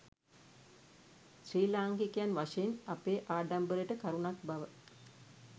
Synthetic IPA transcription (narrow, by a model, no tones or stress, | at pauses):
sɾiːlaːŋkikijanʋaʂeinɐpeːʔaːɖambəɾeʈəkaɾunak̚bɐʋə